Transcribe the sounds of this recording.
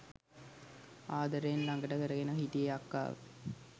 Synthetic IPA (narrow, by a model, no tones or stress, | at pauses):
aːd̪əɾejnlaŋɡəʈəkəɾəɡenəɦit̪ieakːa̰ːʋə̰